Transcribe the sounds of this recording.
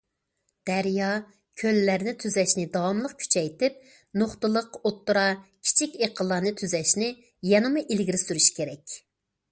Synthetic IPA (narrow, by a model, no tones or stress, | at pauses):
d̪̥æɾjɑ | kʲʰølːæɾnɪt̪ʰyzɛʃnɪd̪ɑwɑmlˠəqkʲʰy̥t͡ʃʰɛjt̪ɪp̚ | noχt̪lˠəqot̪ːuɾɑkʲʰi̥t͡ʃʰikʲeqʰəlˠːɑnɨt̪ʰyzɛʃnɪ | jɛnɨmuʔilɡʲiɾɪsyɾyʃi̥kʲʰeɾɛkʲ